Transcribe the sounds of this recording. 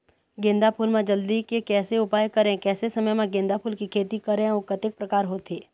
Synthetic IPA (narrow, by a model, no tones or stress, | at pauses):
ɡẽːnd̪apʰuːlmẽd͡ʒɐld̪ikekɛːseʊpaːjkɐɾẽkɛːsesɐməjmãɡẽːnd̪apʰuːlkikʰeːt̪ikɐɾẽokət̪ɪk̚pɾɐkaːɾɦoːt̪eː